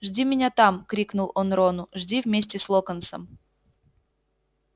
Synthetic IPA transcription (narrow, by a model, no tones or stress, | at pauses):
ʐdʲimʲɪnʲat̪amkɾʲiknʊlˠonɾonʊʐdʲivmʲesʲtʲɪslˠokənsə̰m